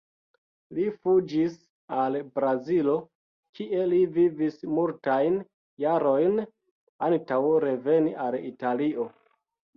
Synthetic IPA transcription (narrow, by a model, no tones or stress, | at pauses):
lifud͡ʒis | albɾazilo̞ | kiʔe̞livivismultajn | jaɾo̞jn | antawɾe̞ve̞niʔalitaliʔo̞